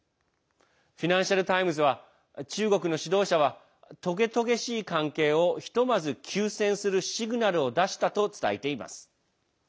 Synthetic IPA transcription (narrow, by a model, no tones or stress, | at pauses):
ɸʲinãɰ̃ɕaɾɯ̟t̪aimɯ̟z̬ɨβ̞a | t͡ɕɨːɡo̞kɯ̟no̞ɕid̪o̞ːɕaβ̞a | t̪o̞ɡe̞t̪o̞ɡe̞ɕiːkãŋke̞ːo̞çi̥t̪o̞mazɨkʲʰɨːsẽ̞ɰ̃sɨɾɯ̟ɕiɡɯ̟naɾɯ̟o̞d̪aɕi̥t̪at̪o̞t͡sɨ̥t̪a̰it̪e̞ima̰sɨ̥